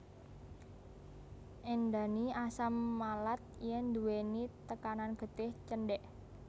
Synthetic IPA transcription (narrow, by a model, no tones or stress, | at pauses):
ʔend̪a̤niasamːalat̪̚jɛnd̪uwenit̪əkananɡ̥ə̤t̪ɪht͡ʃənɖɛʔ